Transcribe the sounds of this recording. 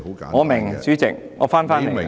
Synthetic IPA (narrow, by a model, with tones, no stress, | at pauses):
ŋɔː˨˧mɪ˨˩ŋsyː˨˥t͡sɪ̰˨k̚ŋɔː˨˧˦faː˥nfaː˥nle˨˩